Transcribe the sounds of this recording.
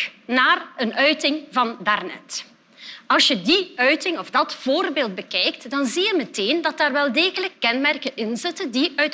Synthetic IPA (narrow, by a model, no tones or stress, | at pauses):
naːrənœɥtɪŋvɑndarnɛ̰t | ɑlˠsjədiœɥtɪŋɔfdɑtv̥oːrbeːlˠt̚bəkɛjk̚tdɑnzijəməteːndɑtaːrʋɛlˠdeːɣələkːɛnmɛrkənʔɪnzɪtəndiʔœɥt